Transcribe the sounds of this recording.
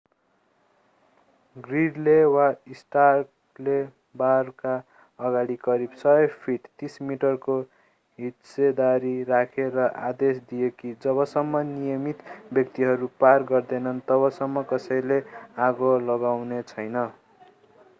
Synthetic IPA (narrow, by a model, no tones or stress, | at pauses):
ɡriɖlewaisʈarʈ | le | barka | ʌɡaɽikʌɾibsʌpʰiʈt̪ismiʈʌrko | ɦit̪sed̪aɾirakʰeɾʌʔa̰d̪esd̪ijekid͡zʌβʌsʌmːʌnijʌmit̪bjʌkt̪iɦʌɾuparɡʌrd̪enʌnt̪ʌβʌsʌmːʌkʌsʌjleaɡolʌɡawnet͡sʰʌjnʌ